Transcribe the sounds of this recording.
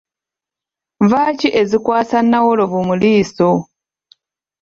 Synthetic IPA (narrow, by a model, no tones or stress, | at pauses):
vaːciʔe̞zikwaːsanːawoloβumuliːso